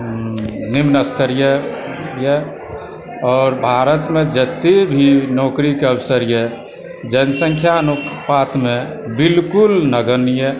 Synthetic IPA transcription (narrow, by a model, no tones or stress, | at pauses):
nɪmnəst̪ʰəɾjə | jɛ | ɔːɾbʱaːɾət̪mẽd͡ʒət̪ːebʱinɔːkɾikeəbsəɾjɛ | d͡ʒənsə̃ŋkʰjanukʰpat̪mẽ | bɪlkʊlnəɡənije